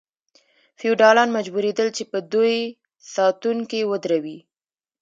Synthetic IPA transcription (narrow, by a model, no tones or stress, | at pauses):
fiuɖɑlɑnmad͡ʒbuɾed̪əlt͡ʃepəd̪uj | sɑt̪uŋkewəd̪ɾawi